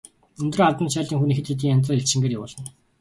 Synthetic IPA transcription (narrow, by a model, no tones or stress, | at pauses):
ɵnt̪roːaɮt̪ə̆nt͡ɕaːɮiːŋxunixɘ̆t̪xet̪̬iːŋant͡saːeɬt͡ɕt͡ɕɪ̆ŋɡeːrjawʊːɮə̆n